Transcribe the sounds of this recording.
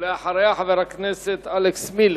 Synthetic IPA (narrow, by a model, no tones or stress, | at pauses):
leaħaɾˤajaħaveɾakneset̪aleksmil